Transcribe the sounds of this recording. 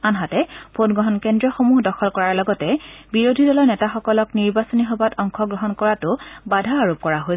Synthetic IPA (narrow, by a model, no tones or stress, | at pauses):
anɦatɛpʰodɡɹɔɦɔnkɛndɹɔxomuɦdɔxʰɔlkɔɹaɹlɔɡɔtɛbiɹodʱidɔlɔɹnɛtaxɔkɔlɔkniɹbasɔnixɔbatɔŋkʰɔɡɹɔɦɔnkɔɹatʊbadʱaaɹop̚kɔɹaɦo